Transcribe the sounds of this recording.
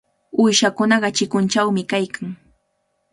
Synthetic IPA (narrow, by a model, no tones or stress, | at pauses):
ʊjʃakʊnɑɢɑt͡ʃɪkʊnt͡ʃawmɪkajkaŋ